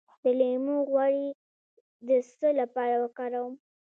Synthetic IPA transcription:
d̪əlemuɣwɑɽi | d̪əsəlapɑɾawəkɑɾawəm

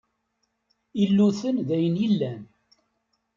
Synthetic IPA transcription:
ilːuθənðæjənjəlːæn

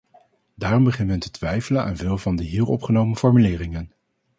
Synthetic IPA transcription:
daːrɔmbəχɪnɦɛntətʋɛjfələna̰ːnvɪːlˠvɑndəɦiːɹɔpχənowməfɔɹmylɪːrɪŋən

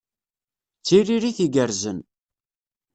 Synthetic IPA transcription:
t͡sːiriɾiθiɡəɾzən

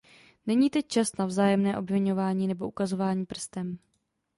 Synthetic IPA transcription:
nɛɲiːt̪ɛc̚t͡ʃast̪navzaːjɛmnɛːʔo̞bvɪɲo̞vaːɲiːnɛbo̞ʔukazo̞vaːɲiːpr̩st̪ɛm

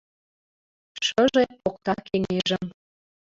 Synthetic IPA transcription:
ʃə̆ʒepok̚t̪ɑkʰeŋeʒə̆m

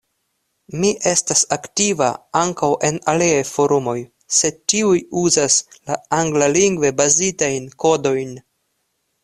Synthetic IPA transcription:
miʔe̞stasaktiva̰aŋkawʔe̞naliajfo̞ɾumo̞j | se̞dtiujuzaslaaŋɡlaliŋɡve̞bazitajnko̞do̞jn

